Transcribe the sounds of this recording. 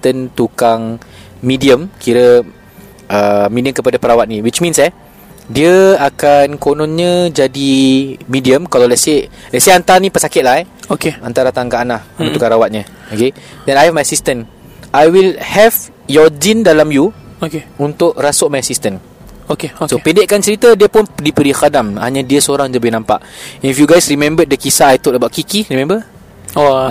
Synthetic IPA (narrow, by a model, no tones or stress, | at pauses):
st̪ənt̪ukaŋmĩdiəmkiɾə | əmidiəmkəpadapəɾawat̪̚nĩwit͡ʃmĩnsɛ | diəakankonɔ̃nɲəd͡ʒadimĩdiəmkalawlɛse | lɛseant̪anĩpəsakɪt̪̚lahɛokeant̪aɾat̪aŋkaʔnahũukãŋɾawat̪̚ɲə̃ | okedɛ̃najhɛvmajasist̪ən | ʔajwilhɛv | jɔd͡ʒindalamjuokeunt̪ʊʔrasʊʔmajasist̪ən | okeosopindɪʔkant͡ʃəɾit̪ədiəpʊndipəɾixadamha̰ɲadiəsəoɾaŋləbɪhnãmpa̰ʔɛnifjuɡajsrimɛ̃mbədəkisaːjt̪ʊʔləbaʔkikiɾimɛ̃mbə | o